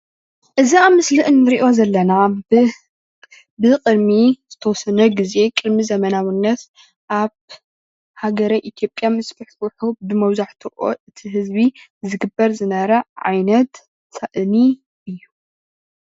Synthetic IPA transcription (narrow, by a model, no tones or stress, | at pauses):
ʔɨziamɨslɨʔɨnːɨɾiʔo̞zɐlːɐna | bɨqʼɨd̪miz̥ɨt̪ʰɐwɔsɐnɐɡize̞kʼɨd̪mizɐmɐnawunːɐt̪ | ʔaβ | haɡɐɾɐjʔit̪ʰijo̞pʼjamɨsbɨħwuħubɨmɐwzaħt̪ʰɐʔʔo̰ʔɨt̪ʰiɦɨzbizɨɡɨbɐɾzɨnɐɾɐʕa̰jnɐt̪ːʰ | ɐʔɨni | ʔɨjːu